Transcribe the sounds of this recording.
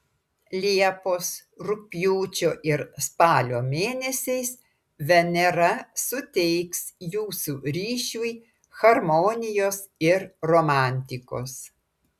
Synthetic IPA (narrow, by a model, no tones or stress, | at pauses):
lʲiɛpoːsɾʊpʲjuːt͡ʃʲoːʔɪɾspɑːlʲoːmʲeːnʲɛsʲɛɪs | ʋʲɛnʲɛɾɐsʊt̪ʲɛɪksjuːsuːɾʲiːʃʲuːj | xɐɾmɔnʲɪjoːs | ɪɾɾomɑˑnʲt̪ʲɪko̰ːs